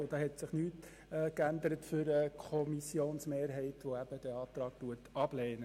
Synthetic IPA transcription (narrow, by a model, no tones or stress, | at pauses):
d̥ɑːɦɛtsɪχnyːtː | kænd̪əɾətfʏɾəkʰɔmisjoːnsmeːɾɦɛɪtʋoæb̥əd̥ɛɑːtɾɑːk̚tuətɑb̥leːnə